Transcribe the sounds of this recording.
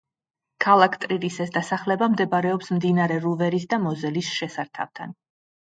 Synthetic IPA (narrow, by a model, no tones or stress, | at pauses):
kʰalˠakʰt̪ʼɾiɾisɛsd̪asaχlɛbamd̪ɛbɾɛɔpsmd̪inaɾɛɾuvɛɾis̬d̪amɔzɛlisʃɛsaɾt̪ʰa̰vt̪ʰa̰n